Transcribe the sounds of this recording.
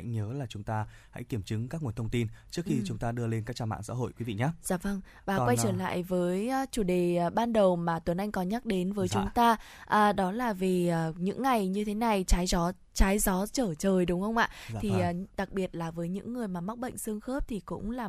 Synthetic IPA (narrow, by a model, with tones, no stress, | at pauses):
ŋɲəː˨˦laː˨˩t͡ɕʊ˨˦ŋ͡mt̪aː˧ | ha̰˧˥jki˧˩əmt͡ɕɨ˨˦ŋkaː˦˥k̚ŋu˨˩ənt̪ʰə˧ŋ͡mt̪i˧nt͡ɕɨ˦˥ək̚xi˧t͡ɕʊ˨˦ŋ͡mt̪aː˧ɗɨ˧əle˧nkaː˦˥k̚t͡ɕaː˧ma̰ː˧˨sa̰ː˧˥ɦo̰˧˨jkwi˨˦vḭ˧˨ɲaː˨˦z̥aː˨˦və˧ŋ | vaː˨˩wa˧jt͡ɕəː˧˩la̰ː˧˨jvəː˨˦jːt͡ɕu˧˩ɗeː˨˩˨ɓaː˧nɗə˨˩wmaː˨˩t̪wə˨˩nʔa˧jŋ̟kɔ˨˦ɲa˦˥k̚ɗe˨˦nvəː˨˦jt͡ɕʊ˨˦ŋ͡mt̪aː˧ | ʔəː˨˩ɗɔ˨˦laː˨˩vi˨˩əː˨˩ɲɨ̰˧˥ŋːa˨˩jɲɨ˧t̪ʰe˨˦na˨˩jt͡ɕaː˨˦jzɔ˨˦ | t͡ɕaː˨˦jzɔ˨˦t͡ɕəː˧˩t͡ɕəː˨˩jɗʊ˨˦wŋ͡mxə˧wŋ͡mʔa̰ː˧˨t̪ʰi˨˩ʔːɗa˨˩k̚ɓi˨˩ət̚laː˨˩vəː˨˦jɲɨ̰˧˥ŋːɨ˨˩əjmaː˨˩ma˦˥k͡p̚ɓə̰˧˨ŋ̟sɨ˧əŋxəː˦˥p̚t̪ʰi˨˩kʊ̰˧˥ŋ͡mlaː˨˩